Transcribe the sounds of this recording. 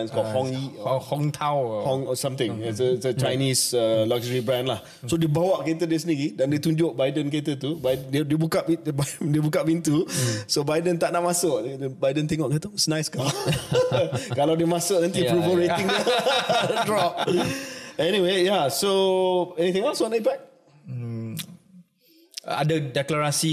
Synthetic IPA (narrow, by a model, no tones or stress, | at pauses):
nskɔlhɔ̃ŋihɔ̃ŋt̪ʰãwhɔ̃ŋɔsãmt̪ɪ̃ŋɛsəsət͡ʃajnĩsəlaɡʒəɹibɹãnlah | sodebawaʔket̪ədes̬əniɡidãndet̪uɲd͡ʒoʔ̚bajdə̃nket̪ət̪ubajdəndedebukaʔbadebukabint̪usobajdənt̪aʔnaʔmasoʔbajdənt̪eŋɔʔkət̪usnãjska | kalawdemasoʔnãnt̪ipɾubəlɹeɪ̃ŋa | dɹɔp̚ | ɛniwejasoɛnit̪ɪ̃ŋɛlswɔ̃naipak̚ | a̰dədɛklaɹasi